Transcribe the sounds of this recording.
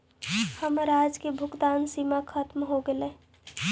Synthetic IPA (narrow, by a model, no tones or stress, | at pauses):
həmɾad͡ʒkebʱʊkt̪ansimakʰət̪mɦoɡele